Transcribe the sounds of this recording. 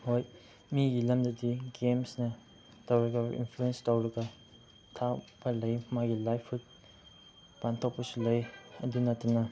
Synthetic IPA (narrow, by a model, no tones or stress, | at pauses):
hoj | miɡilɐmdɐdiɡemsnɐ | tawɾɐɡɐḭnpʰluenstawɾɐɡɐ | tʰapɐlɐjmaɡilajpʰut̚ | pantʰok̚pɐsulɐjɐ̰dunɐtːɐnɐ